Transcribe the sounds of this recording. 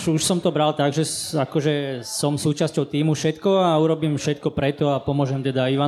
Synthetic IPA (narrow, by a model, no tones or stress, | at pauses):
uʃsɔmt̪ɔbɾalt̪aɡʒɛakɔʒɛsɔmsuːt͡ʃascɔʊt̪iːmufʃɛt̪kɔauɾɔbiːmfʃɛt̪̚kɔpɾɛt̪ɔapɔmʊɔʒɛmt̪ɛd̪aiʋa